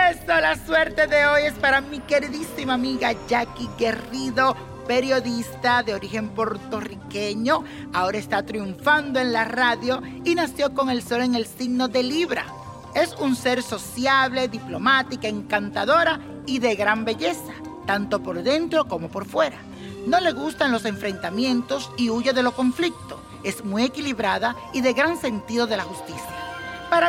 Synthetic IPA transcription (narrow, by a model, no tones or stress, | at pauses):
esolaswe̞ɾt̪e̞ðe̞o̞je̞spaɾamike̞ɾiðisimaːmiɣaʝakiɣe̞riðo̞ | pe̞ɾjo̞ðist̪aðe̞o̞ɾixe̞mpo̞ɾt̪o̞rike̞ɲo̞ | ao̞ɾaest̪at̪ɾiuɱfand̪o̞e̞ŋlaraðjo̞ | inasjo̞ko̞ŋe̞lso̞le̞ŋe̞lsiɡno̞ðe̞liβɾa̰ | e̞sunse̞ɾso̞sjaβle̞ðiplo̞mat̪ikaeŋkant̪aðo̞ɾa | iðe̞ɣɾambe̞ʝe̞sa | t̪ant̪o̞po̞ɾðe̞nt̪ɾo̞ko̞mo̞po̞ɾfwe̞ɾa | no̞le̞ɣust̪anlo̞se̞ɱfɾe̞nt̪amje̞nt̪o̞siuʝeðe̞lo̞ko̞ɱflik̚t̪o̞ | e̞zmwuije̞kiliβɾaða | iðe̞ɣɾaŋse̞nt̪iðo̞ðe̞laxust̪isjapaɾa